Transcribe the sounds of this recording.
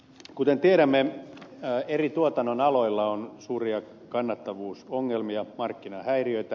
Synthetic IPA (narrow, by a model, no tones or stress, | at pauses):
kut̪ent̪ieɾæmːe | erit̪uot̪ɑnːonɑlo̞ilːɑonsuːriɑ | kɑnːɑt̪ːɑʋuːsoŋːelmiɑmɑrkːinɑhæiriøit̪æ